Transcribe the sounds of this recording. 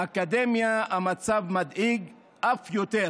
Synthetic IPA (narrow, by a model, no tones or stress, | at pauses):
akad̪emjaamat͡savmad̪iɡ | ʔafjot̪e